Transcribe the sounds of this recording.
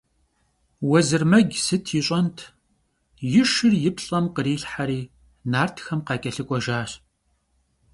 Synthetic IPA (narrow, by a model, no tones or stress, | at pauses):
wɔzɨrmɐɡʲsɨtʰjɪɕʼɐntʰ | jɪʂɨrjɪpɬʼɐmqəɾiːɬħaɾiː | naːrtʰxɐmqɑːkʼɐɬɨkʷʼɔʒaːɕ